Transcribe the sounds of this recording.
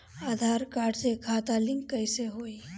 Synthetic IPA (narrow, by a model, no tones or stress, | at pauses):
aːd̪ʱaːɾkaːɾɖsekʰaːt̪alɪ̃ŋkːəɪseɦoːi